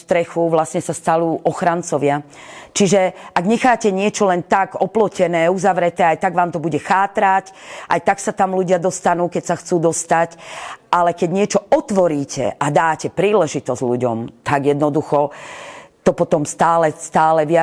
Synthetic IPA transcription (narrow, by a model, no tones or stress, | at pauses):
st̪ɾɛxuʋlasɲɛsast̪aluːʔɔxɾant͡sɔʋɪat͡ʃiʒɛʔaɡɲɛxaːcɛɲɪɛt͡ʃɔlɛnt̪aɡɔplɔcɛnɛːuzaʋɾɛt̪ɛːajt̪aɡʋaːmt̪ɔbuɟɛxaːt̪ɾacʔa̰jt̪aksat̪amluɟɪad̪ɔst̪anuːkɛcsaxt͡suːd̪ɔst̪acalɛkɛɟɲɪɛt͡ʃɔɔt̪ʋɔɾiːcɛ̰ʔad̪aːcɛpɾiːlɛʒit̪ɔzɟʎuɟɔ̰mt̪aɡjɛd̪nɔd̪uxɔ | t̪ɔpɔt̪ɔmst̪aːlɛst̪aːlɛʋɪa